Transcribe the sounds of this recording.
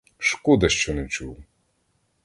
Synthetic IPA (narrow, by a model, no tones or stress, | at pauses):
ʃkud̪ɐʃt͡ʃɔnɛwt͡ʃuw